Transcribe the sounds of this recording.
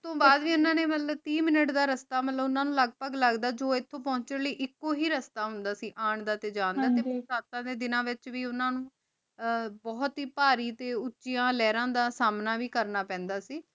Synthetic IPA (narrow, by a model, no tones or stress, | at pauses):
ɪt̪õːbaːd̪ʋiːʊnãːneːmət̪ləbt̪ĩːmɪnəʈd̪aːɾəst̪aːmət̪ləbʊnãːnũːləɡ̚pəɡləɡd̪aːd͡ʒoːɪt̪ʰːõːpɔ̃ːɲt͡ʃələiːʔɪkːoːɦiːɾəst̪aːɦʊ̃nd̪aːsiːʔaːɳd̪aːt̪eːd͡ʒãːnd̪aːt̪eːʊsaːt̪ãːd̪eːd̪ɪnãːʋɪt͡ʃʋiːʊnãːnũː | bɔːt̪ɦiːpaːɾiːt̪eːʊtːʃijãːlɛːɾãːd̪aːsaːmnaːʋiːkəɾnaːpɛ̃ːnd̪aːsiː